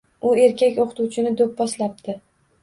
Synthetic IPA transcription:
ʊe̞ɾkʲakʲoqʰɨt̪uwt͡ʃʰɪnɪd̪op̚bɒslap̚d̪̥ɪ

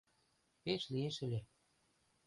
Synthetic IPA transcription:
pet͡ɕlieʃə̆lʲe

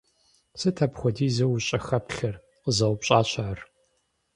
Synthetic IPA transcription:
sɨtʰɐpxʷɔdiːzɐwuɕʼɐxɐpɬɐr | qəzɐwpɕʼaːɕaʕar

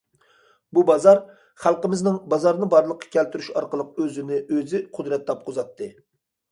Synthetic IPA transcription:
bubɑzɑɾ | χælˠqəmɪznɪŋbɑzɑɾnɨbɑɾlˠəqʰːɑ̥kʲʰælt̪yɾyʃɑɾqəlˠəq̚øzɪnɪʔøzɪqʰʊd̪ɾɛt̪lˠɑp̚qʰʊzɑt̪ʰːɨ

